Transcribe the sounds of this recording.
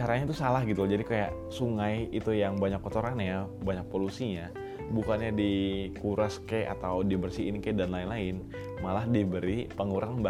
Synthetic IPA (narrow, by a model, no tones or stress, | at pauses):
t͡ʃaɾaɲat̪usalahɡit̪ud͡ʒadikajaʔ | suŋajit̪ujaŋbaɲakːot̪oɾanjabaɲak̚polusiɲa | bukanɲadikuɾaskea̰t̪awdibərsiːnkadanlaɪnlaɪn | malahdibəɾipəŋuɾaŋba